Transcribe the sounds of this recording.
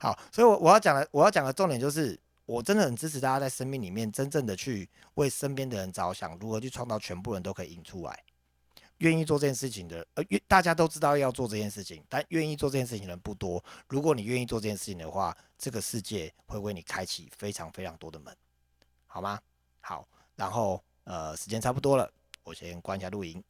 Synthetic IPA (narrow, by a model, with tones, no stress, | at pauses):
xɑ˨˩˦ʊswɔ˧˥i˨wɔ˨˩wɔ˨˩jɑ˥˩ʊt͡ɕjɑ˨˩ŋd̪ə˦wɔ˨jʊt͡ɕjŋd̪ə˩ʈ͡ʂɔ˥˩ŋt̪jt͡ɕjo˥˧ʊʂɻ̩˥˩ | wɔ˨˩ʈ͡ʂə˦nd̪ə˨hə˨˩nt͡sɻ̩ʰ˥˨˦t̪a˥˩t͡ɕja˥t͡sa˥˩ɪʂə˦˥nmi˥˩ŋli˨˩mjɛ˥˩nʈ͡ʂə˦nʈ͡ʂə˥˩ŋd̪ə˨˩t͡ɕʰy˥˩ | we˥˩ɪʂə˦˥npjɛ˥nd̪ə˨ɻə˧˦nt͡sɑ˨˥ʊɕjɑ̰˨˩˦ŋɻu˧˥xɤ˧˦t͡ɕʰy˥˧ʈ͡ʂʰɑ˥˧ŋtt͡sɑ˥˩ʊt͡ɕʰɥɛ˧˦npu˥˨ɻə˧˦nt̪o˥kʰi˨i˨˩nʈ͡ʂʰu˦la̰˧˦ɪ | ɥɛ˥˧ni˥˧t͡swɔ˥˧ʈ͡ʂɤ˥˧t͡ɕjɛ˥nʂ̬ɻ̩˥˩t͡ɕʰi˨ŋd̪ə˩ə˧˦˨t̪a˥˨˩t͡ɕja˥t̪̬o˥ʊʈ͡ʂɻ̩˥t̪ɑ˥˧ʊjɑ˥˧ʊt͡swɔ˥˧ʈ͡ʂɤ˥˧t͡ɕʰjɛ˥˧nʂɻ̩˥˩t͡ɕʰi˨˦ŋt̪a˥˨nɥɛ˥˧ni˥˧t͡swɔ˥˧ɤ˥˩jʂɻ̩˥˩t͡ɕʰi˨nəə˧˦pu˥˩t̪wɔ˦ɻu˧˥kwɔ˧˦ni˨˩ɥɛ˥˧ni˥˧t͡swɔ˥˧ʈ͡ʂɤ˥˩t͡ɕjɛ˥˧nʂɻ̩˥˩t͡ɕʰi˨ŋnd̪ə˨xwa˥˩ | ʈ͡ʂɤ˥˩ɡə˩ʂɻ̩˥˧t͡ɕjɛ˥˨xwe˥˧ɪwe˥˩ɪni˨˩kʰa˥ɪt͡ɕʰi˨˩fe˥ɪʈ͡ʂʰɑ˧˥ŋfe˥ɪʈ͡ʂʰɑ˨˧ŋt̪wɔ˥d̪ə˨mə̰˧˦n | hɑ˨˩ʊma˦ | xɑ˨˩˦ʊ | ɻa˧˦nxo˥˩ʊ | ə˨ʂɻ̩˧˥t͡ɕjɛ˥nt͡sʰa˥pu˥˩t̪wɔ˥lə˨ | wɔ˨˩ɕjɛ˦nkwa˥nɕja˧˥lu˥˨˩i˧˥n